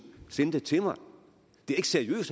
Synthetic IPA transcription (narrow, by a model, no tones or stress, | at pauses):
senəd̥et͡sʰe̝mɑ̈ɪ | d̥e̝æɐe̝ɡ̥seɐiø̰ːs